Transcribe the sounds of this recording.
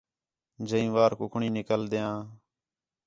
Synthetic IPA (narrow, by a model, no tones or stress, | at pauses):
d͡ʒəĩːʋaːɾkʊkʰɳiːnɪkəld̪eːãː